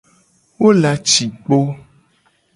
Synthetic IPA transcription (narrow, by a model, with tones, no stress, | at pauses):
wo˦la˨t͡ʃi˨k͡po˦